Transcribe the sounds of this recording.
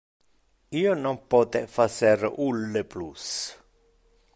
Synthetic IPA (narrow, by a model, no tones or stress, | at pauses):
iːonɔmpɔːt̪ɛfaseɾulːeplus